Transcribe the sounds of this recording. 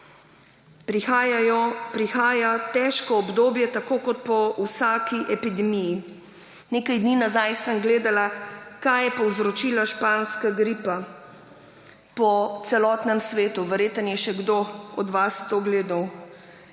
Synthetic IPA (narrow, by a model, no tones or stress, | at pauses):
pɾixaːjat̪ɛʃkɔɔbd̪oːbjɛt̪akoːkɔt̪̚pɔwsaːkiʔɛpid̪ɛmiji | neːkajd̪ninazajsəmɡleːd̪alakajɛpɔwzɾɔt͡ʃiːlaʃpaːnskaɡɾipa | pɔt̪sɛlɔːt̪nɛmsʋeːt̪uʋɛɾjet̪ənjɛʃɛɡd̪oɔd̪ʋast̪oɡleːd̪aw